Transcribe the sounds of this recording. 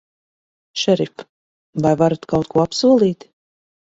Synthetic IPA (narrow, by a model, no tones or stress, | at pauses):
ʃɛɾif | vajvaɾat̪kawt̪̚kuɔapsuɔlˠiːt̪